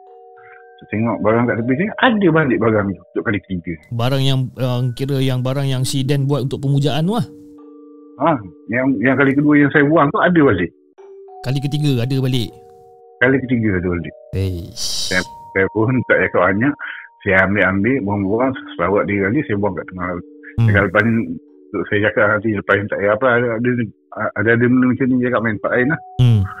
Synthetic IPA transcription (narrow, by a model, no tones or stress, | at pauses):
t̪ʊʔt̪eŋɔʔbaɡaŋkaʔt̪əpɪsajʔadəbalɪʔ̚baɡaŋut̪ʊʔkalikə̥t̪iɡəbaɾaŋjaŋəŋkiɾəjaŋbaɾaŋjaŋsidɛnbuat̪̚unt̪ʊkʔ̚pəmud͡ʒaʔanuah | ajaŋjaŋkalikəduəjaŋsajəbuaŋt̪uʔadəbalɪʔ | kalikət̪iɡəadəbalɪʔ | kalikət̪iɡəadəbalɪʔesajapsajapʊnt̪aʔd͡ʒakaʔ̚baɲaʔsajaambɪʔambɪʔbuaŋbuaŋssəlawat̪̚dikaliʔsajabuaŋkaʔt̪əŋahlaluakaləpani | t̪oʔsajad͡ʒakaʔant̪̬iləpaint̪aʔjaapəaaadə | adadəmənəmat͡ʃamnid͡ʒakaʔmaɪnpaʔaɪnlah